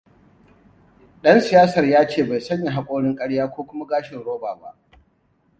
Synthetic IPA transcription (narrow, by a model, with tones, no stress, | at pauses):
ɗɐ˦nsɪ˨jaː˦sɐ˨rjaː˦t͡ʃeː˦˨ba˨jsɐ˦ɲje˨ɦa˦kʷʼoː˦ɽɪ˦ŋkʼɐ˦ɽjaː˦kʷoː˦kʷʊ˦ma˦ɡaː˦ʃɪ˨nɽoː˦baː˨ba̰˦˨ʔ